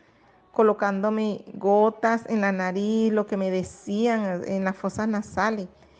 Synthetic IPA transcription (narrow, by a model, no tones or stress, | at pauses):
kolokand̪omeɡot̪asḛnlanaɾislokemeðesiaŋḛnlasfosasnasales